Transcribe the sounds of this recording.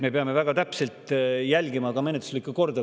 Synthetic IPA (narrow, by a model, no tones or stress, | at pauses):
me̞peɑme̞væɡ̥ɑt̪æpselt̪ˑjælʲɡimɑkɑmenet̪u̥slikːˑuko̞rd̪ɑ